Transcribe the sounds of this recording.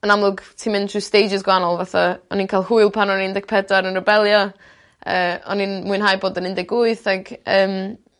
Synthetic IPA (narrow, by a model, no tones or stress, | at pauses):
ənamlˠʊɡtʰimɪntʰruːstejd͡ʒɪsɡwanɔlˠvaθaɔ̰ninkʰaːlˠhuɨlˠpʰanɔnindɛk̚pʰɛdaɾənrɛbɛlˠjɔ | ə̰ːɔ̰ninmuɨnɦaːjboːdənɪndɪɡʊɨθaɡəːm